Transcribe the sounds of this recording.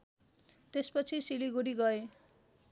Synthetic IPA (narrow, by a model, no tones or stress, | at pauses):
t̪espʌt͡sʰisiliɡuɾiɡʌe